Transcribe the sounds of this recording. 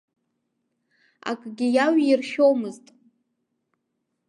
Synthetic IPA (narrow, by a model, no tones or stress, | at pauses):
a̰kʼɡʲɪjaɥirχʲowmɨztʼ